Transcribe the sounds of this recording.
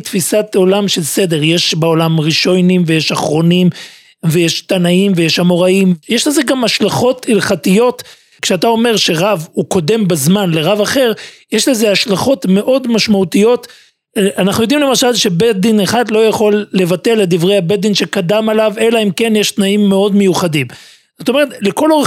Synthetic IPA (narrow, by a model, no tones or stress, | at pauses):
tfisat̪o̞lamʃe̞lse̞d̪e̞ʁje̞ʃbeolamʁiʃojnimvejeʃaχʁo̞nim | vejeʃt̪anaimvejeʃamo̞ʁaimjeʃleze̞ɡamaʃlaχo̞tilχatijo̞t | kʃeat̪ao̞me̞ʁʃe̞ʁavuko̞de̞mbazmanle̞ʁavaχe̞ʁjeʃlezeaʃlaχo̞tme̞ʔo̞dmaʃmaut̪ijo̞t | ʔanaχnujo̞d̪imle̞maʃalʃe̞bed̪ineχadlo̞jaχo̞lːe̞vate̞led̪ivʁe̞jhabed̪inʃe̞kadamalavelaimke̞njeʃt̪naimːe̞o̞dme̞juχadim | zot̪o̞me̞ʁetle̞ko̞loʁ